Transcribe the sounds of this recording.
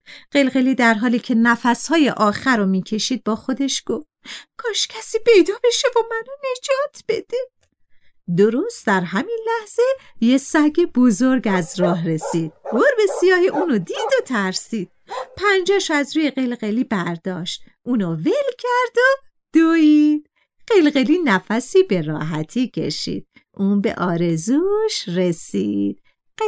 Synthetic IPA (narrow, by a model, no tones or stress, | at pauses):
ɢ̥e̞lɣe̞liːd̪æɾɦɒːliːcʰe̞næfæshɒːje̞ʔɒːxæɾomiːcʰe̞ʃiːd̪̚bɒːxo̞d̪e̞ʃɡ̥oːf | kʰɒːʃcʲʰæsiːpʰe̞jd̪ɒːbe̞ʃe̞vomænone̞d͡ʒɒːt̪ʰb̥e̞d̪̥e | d̪oɾost̪̚d̪æɾɦæminlæhz̥e̞jesæɡebozoɾɡæzɾɒːɦɾe̞siːd̪̥̚boɾbe̞sijɒːheʔuːnod̪iːd̪ot̪ʰæɾsiːd̪̥̚pʰænd͡ʒɒːʃæzɾuːjeɣelɣeliːbæɾd̪ɒːʃt̪ʔuːnovelcʰæɾd̪o | d̪̥oid̪̥ | ɢ̥elɣeliːnæfæsiːbe̞ɾɒ̰ːɦæt̪ʰiːcʰe̞̰ʃḭːd̪̥̚ | ʔuːnbe̞̰ʔɒːɾezuʃɾesiːd̪̥̚